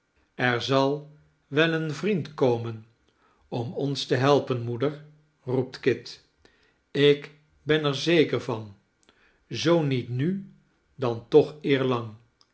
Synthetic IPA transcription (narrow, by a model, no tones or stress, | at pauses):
ɛɹzɑlˠ | ʋɛlˠənvrintkowmən | ɔmɔnstəɦɛlˠpənmudəɹ | rup̚tkɪt | ɪk | bɛnɛɹzejkəɹvɑn | zownitny | dɑntɔχɪːɹlɑŋ